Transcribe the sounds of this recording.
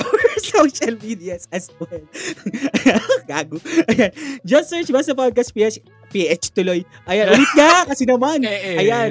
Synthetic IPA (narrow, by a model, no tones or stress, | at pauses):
ʔowɛsowʃɐlmid̪iɐsɐswɛlʔɐjaɡaːɡʊʔɐjand͡ʒɐsɛɹt͡ʃbast̪ɐpad̪̚kɐspiʔɛt͡ʃ | piʔɛt͡ʃt̪ʊloj | ʔɐjanʔʊlɪt̪̚ɲɐkɐsɛnɐmanʔɐjan